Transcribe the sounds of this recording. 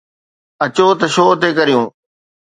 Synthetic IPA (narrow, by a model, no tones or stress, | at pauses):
ɐt͡ɕot̪ɐʃoːɐt̪ekɐɾijũː